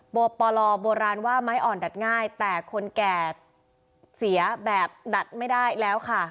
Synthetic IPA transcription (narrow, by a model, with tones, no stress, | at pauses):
boː˧pɔː˧lɔː˧boː˧ɾaː˧nwaː˥˩ma˦˥jʔɔː˨˩nda˨˩t̪̚ŋaː˥˩jt̪ɛː˨˩kʰo˧nkɛː˨˩ | si˩˦ɐbɛː˨˩p̚da˨˩t̪̚ma˥˩jdaː˥˩jlɛː˦˥wkʰa˥˩